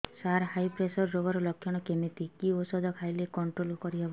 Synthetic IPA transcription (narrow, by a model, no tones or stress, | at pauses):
saɾɦajpɾesɔɾːobɔɾɔlɔkʰjɔɽ̃ɔkemit̪ikiosɔd̪ʱɔkʰajlekɔɳʈɾolkɔɾibab